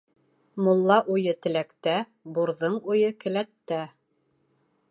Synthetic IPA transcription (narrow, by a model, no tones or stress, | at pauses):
mulˠːɑʔujɤt̪ɘ̆lækt̪æ | buɾðɤɴujɤkɘ̆læt̪ːæ